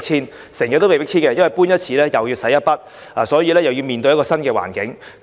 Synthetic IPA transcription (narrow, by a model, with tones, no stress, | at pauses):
t͡ɕʰiː˥n | sɛː˨˩ŋjɐ˨t̪ːwme˨˩pɪ˥k̚t͡ɕʰiː˥ŋkɛ˧jɐ˥nwɐ˨jpuː˥njɐ˥t̚t͡sʰiː˨˧lɛː˥jɐ˨wjiː˧wsɐ˨˥jɐ˥t̚pɐ˥t̚ | aː˨sɔː˨˥jiː˨˧lɛː˥jɐ˨wji˧wmiː˨nt̪ɵ˧jɐ˥kɔː˧sɐ˥nkɛː˧wa̰ː˨˩nkɪ̰˨˦˥ŋ